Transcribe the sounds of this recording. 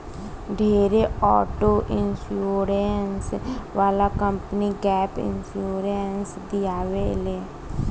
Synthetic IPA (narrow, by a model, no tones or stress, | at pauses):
ɖʱeːɾeɔːʈoʔɪnsuːɾensʋaːlakə̃mpniɡɛːpɪ̰nsuːɾensd̪ijaːʋele